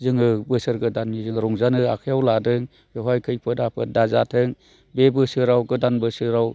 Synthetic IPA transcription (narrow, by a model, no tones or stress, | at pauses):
zɯŋɯbɯsɯɾɡɯdanizɯŋɾɔŋzanɯakʰɯjawladɯŋ | beɦajkʰɯjpʰɯdapʰɯdazatʰɯŋ | bebɯsɯɾawɡɯdanbɯsɯɾaw